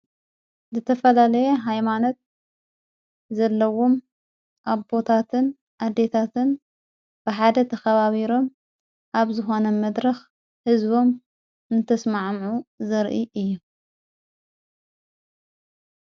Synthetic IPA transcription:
zɨt̪ʰɐfɐlalɐjɛɦajmano̞t̪̚ | zɐlːɐwo̞m | ʔaβbo̞t̪ʰat̪ʰɨn | ʔad̪e̞t̪ʰat̪ʰɨn | b̥ɨħad̪ɐt̪ʰɐxɐβaβiɾo̞m | ʔaβzɨxo̞nɐmɐd̪ɾɐx | hɨzbo̞m | ɨnt̪ʰɐsmaʕmʕuzɨɾʔiʔɨjːu

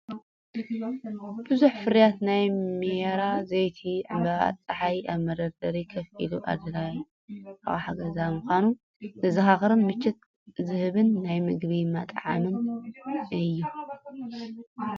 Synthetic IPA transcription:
b̥ɨzuħfɨɾjat̪najmieɾazejt̪ʰiʕɨmbɐa̰t͡sʼːɐħajʔaβmɐɾɐɾd̪ɐɾikʰɐfḭluʔa̰d̪ɐlaj | aʔħaɡɐzamuxʷanu | zɐzɐxaxɨɾɨnmɨt͡ʃːɪt̪ | zɨhɨβɨnːajmɨɡβimat̪ʼʕa̰mɨn | ɨjːu

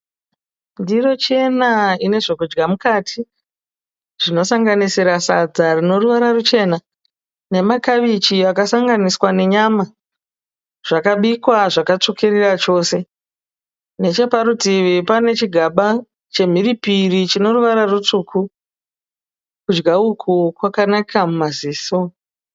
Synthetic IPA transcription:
ndiro̞t͡ʃe̞naine̞ʐo̞kud͡ʒɡamukatʰi | ʐ̥ino̞saŋɡanisiɾasa̰d͡zarino̞ruʋaɾarut͡ʃe̞ːna | ne̞makaʋit͡ʃiakasaŋɡaniswane̞ɲama | ʐ̥akaɓikwaʐakat͡ʂukʰirirat͡ʃo̞ːse̞ | ne̞t͡ʃe̞paɾutiʋipane̞t͡ʃiɡʱaɓa | t͡ʃe̞m̤iripirit͡ʃino̞ruʋaɾarut͡ʂuːkʰu | kud͡ʒɡaukʰukwakanakʰamumaziːso

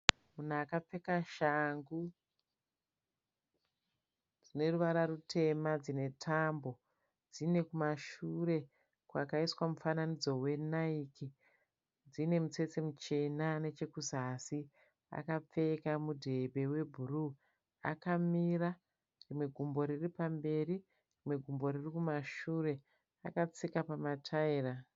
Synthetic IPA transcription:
munakap͡fe̞kaʃaŋɡu | d͡zine̞ruʋaɾaɾutʰe̞mad͡zine̞tʰambo̞ | d͡zine̞kumaʃuɾe̞ | kwakaiswamufananid͡zo̞we̞naiki | d͡zine̞mut͡se̞t͡semut͡ʃe̞nane̞t͡ʃe̞kuzasi | a̰kap͡fe̞kamudʱe̞bʱe̞we̞bʱuru | a̰kamira | rimwe̞ɡʱumbo̞ɾiripambe̞ɾi | rimwe̞ɡʱumbo̞ɾirikumaʃuɾe̞ | a̰kat͡sikapamatʰaira

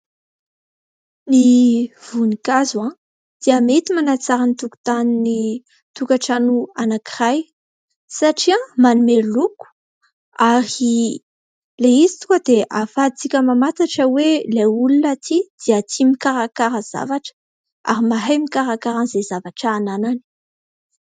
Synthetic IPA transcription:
niv̥unikazã | d̪̥iamet̪imanat͡saɾanit̪uku̥t̪anini | t̪ukaʈ͡ʂanuanakiraj | saʈ͡ʂiãmanumeluku̥ | aɾi | leizi̥t̪u̥kad̪eʔafat͡sikʲəmamat̪aʈ͡ʂəweleulunat̪ʰid̪̥iat̪ʰimikaɾakaɾəz̥a̰vaʈ͡ʂə̥ | a̰ɾimaɦajmikaɾakaɾanzezavaʈ͡ʂaːnanani̥

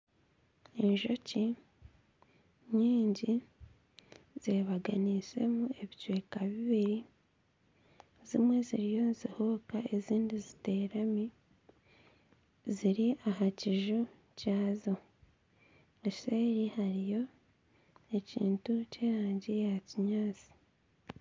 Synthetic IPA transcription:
e̞ɲʒo̞ci | ɲiːɲɟi | z̥eβaɡanise̞̰mue̞βicwe̞ːkaβiβiɾi | zimwe̞ziɾijo̞zihokae̞ziːndizite̞ːɾami | ziɾiʔaɦaciʒu | caːzo | ese̞ːɾihaɾijo̞ | e̞cḭːntuceːɾaːɲɟijehaciɲaːt͡si̥

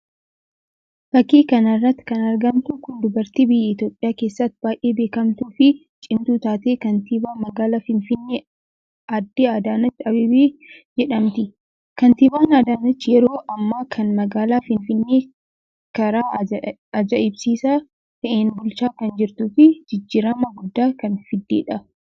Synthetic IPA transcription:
fɐkːiːkɐnɐrːɐt̪ːɪ̥kɐnɐɾɡɐmt̪ʊkʊnd̪ʊbɐɾt̪iːbɪjːɛɪt̪jo̞ːpʼːɪjaːke̞ːsːɐt̪ːɪb̥aːʔe̞ːbe̞ːkɐmt̪uːfɪ | t͡ʃʼɪnt̪uːt̪aːt̪eːkɐnt̪ibaːmɐɡaːlafɪnfɪnːeː | ɐd̪ːɪad̪aːnɐt͡ʃːɐbɪbi | d͡ʒɛᶑɐmt̪ɪ | kɐnt̪ɪbaːnaːd̪aːnɐt͡ʃːjɛɾo̞ːʔɐmːaːkʰɐnmɐɡaːlaːfɪnfɪnːeː | kɐɾaː | ɐd͡ʒɐʔɪbsiːsaː | t̪ɐʔeːnbʊlt͡ʃaːkɐnd͡ʒɪɾt̪uːfɪd͡ʒɪd͡ʒːiːɾɐmɐɡʊd̪ːaːkɐnfɪd̪ːeːᶑɐ

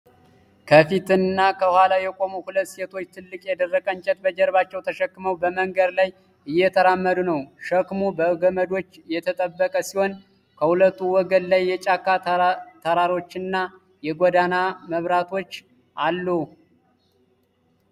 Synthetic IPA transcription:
kʰəfit̪ɨnnːakʰəhʷwalajɛkʼo̞muhulət̪ːse̞t̪ʰo̞t͡ʃːt̪ʰɨlːɨkʼjɛd̪ərːəkʼənt͡ʃʼɛt̪bəd͡ʒɛɾβat͡ʃːɛwt̪ʰəʃəkːɨməwbəməŋɡəd̪laj | ʔɨjːɛt̪ʰəɾamːəd̪unəwʃəkmobəɡəməd̪o̞t͡ʃːjɛt̪ʰət̪ʼəbːəkʼəsiho̞n | kʰəhulət̪ʼːuwɔɡənlajːɛt͡ʃʼakːat̪ʰəɾaɾo̞t͡ʃːɨnːa | jɛɡʷɔd̪anaməβɾat̪ʰo̞t͡ʃː | ʔalːu

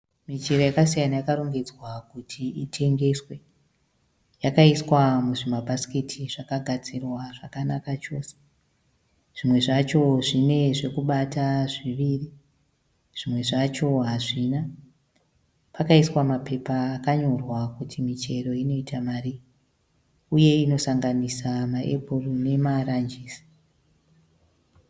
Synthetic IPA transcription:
mit͡ʃe̞ro̞jakasijanajakaɾoŋɡed͡zwakutʰiitʰe̞ŋɡe̞swe̞ | jakaiswamuʐimabʱaskitʰiʐakaɡʱad͡zirwaʐakanakat͡ʃo̞ːse̥ | ʐ̥imwe̞ʐat͡ʃo̞ʐine̞ʐe̞kuɓataʐiʋiri | ʐ̥imwe̞ʐat͡ʃo̞ɦaʐina | pakaiswamape̞paːkaɲo̞rwakutʰimit͡ʃe̞ɾo̞ino̞itamari | uje̞ino̞saŋɡanisamaʔe̞̰bʱorone̞maɾand͡ʒiːsi̥

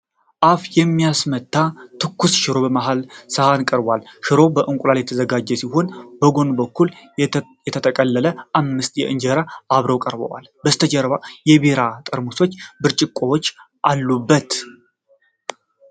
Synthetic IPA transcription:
ʔafjɛmːijasmət̪ʰːat̪ʰɨkːusʃɨɾo̞bəmaɦalsəhankʼəɾbalʃɨɾo̞bəʔɨŋkʷʼulaljɛt̪ʰəzəɡad͡ʒːɛsiho̞nbəɡo̞nbəkːuljɛt̪ʰət̪ʰəkʼəlːələʔamːɨst̪jɛ̰ʔɨnd͡ʒəɾaaβɾəwkʼəɾbə̰wa̰lbəst̪ʰəd͡ʒəɾβajɛbeɾat̪ʼəɾmuso̞t͡ʃːbɨɾt͡ʃʼɪkʼːowot͡ʃː | ʔalːubːət̪

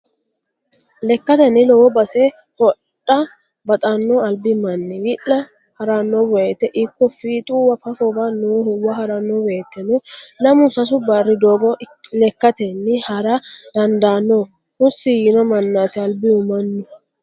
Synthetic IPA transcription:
lɛkːɐt̪ɛnːɪlɔwɔbɐsɛ | hɔᶑːɐ | bɐt̪ʼɐnːɔɐlbɪmɐnːɪwɪʔɐ | hɐɾɐnːɔbɔjet̪ːɛʔɪkːɔfiːt̪ʼuːwɐfɐfɔbɐnuːhʊwːɐhɐɾɐnːɔwɔet̪ːɛnɔlɐmʊsɐs̬ʊbɐrːɪd̪oːɡɔlɛkːɐt̪ɛnːɪhɐɾɐd̪ɐnd̪aːnːɔ | hʊsːijɪnɔmɐnːaːt̪ɪɐlbɪʊmɐnːɔ

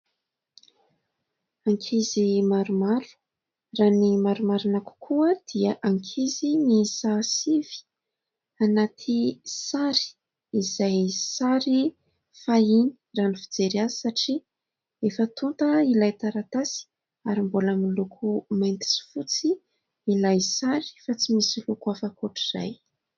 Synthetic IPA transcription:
aŋkʰizimaɾumaɾu̥ | raːnimaɾumaɾunaku̥kʰuəd̪̥iəʔaŋkʰizinisasivi̥ | anat̪ʰisaɾi̥ | izajsaɾi | faini̥ranifid͡zeɾiazisaʈ͡ʂi | efət̪unt̪əilajt̪aɾat̪asi̥ | aɾimbulamilukʰumajnt̪i̥si̥fut͡si | ilajsaɾi̥fat͡simisilukuafakuʈ͡ʂiza̰j

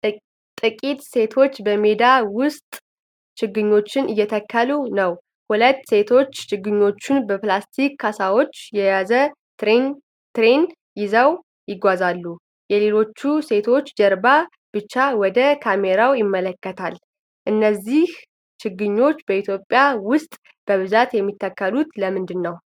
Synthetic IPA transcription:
t̪ʼɨkʼit̪ʼse̞t̪ʰo̞t͡ʃːbəme̞d̪awʊst̪ʼ | t͡ʃɨɡːɨɲːo̞t͡ʃːɪnʔɨjːɛt̪ʰəkʰːəlunəw | hulət̪ːse̞t̪ʰo̞t͡ʃːt͡ʃɨɡːɨɲːo̞t͡ʃːunbəplast̪ʰikːasawo̞t͡ʃːjɛjazə | t̪en | t̪ɾen | jɪzaw | jɪɡʷazalːu | jɛle̞lo̞t͡ʃːuse̞t̪ʰo̞t͡ʃːd͡ʒəɾba | b̥ɨt͡ʃːawɔd̪əkʰameɾawjɪmːələkːət̪ʰal | ʔɨnːəzːih | t͡ʃʰɪɡːɨɲːo̞t͡ʃːbəit̪ʰjo̞pʼːjawʊst̪ʼ | b̥əβɨzat̪jɛmːit̪ːəkːəlut̪ləmɨnd̪ɨnːəw

